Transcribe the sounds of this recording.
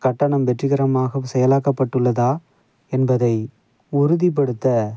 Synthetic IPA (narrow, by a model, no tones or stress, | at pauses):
kɐʈːɐɳɐmʋɛʈrɯɣɪɾɐmaːɣɐsɛjɐlaːkɐpːɐʈːɯɭːɐðaː | ɛnbɐðɐɪ | ʊɾʊðip̬ːɐɽɯt̪ːɐ